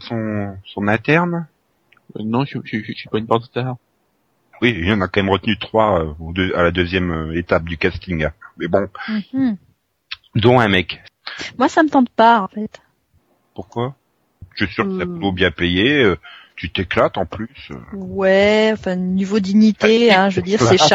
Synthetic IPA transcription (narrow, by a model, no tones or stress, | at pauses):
sɔ̃sɔ̃nɛ̃t̪ɛʁn | wɛ̰nɔ̃ʃiʒiʃʃipaynpaʁd̪ət̪a | wiilɑ̃nakɑ̃mɛmʁət̪nyt̪χwaøod̪øalad̪øzjɛmøet̪ap̚d̪ykast̪iŋmɛbɔ̃ | d̪ɔ̃ɛ̃mɛkmwasamət̪ɑ̃d̪paɑ̃fɛt̪ | puʁkwa | ʃɥɛsyʁəsapulobjɛ̃pejeøt̪yt̪eklat̪ɑ̃plysø̰wɛɑ̃fɛ̃nivod̪iɲit̪eɛ̃ʒvød̪iʁsɛʃa